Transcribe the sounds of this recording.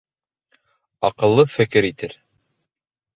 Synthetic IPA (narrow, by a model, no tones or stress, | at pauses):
ɑqɤ̆lˠːɤfɘ̆kɘɾit̪ɘɾ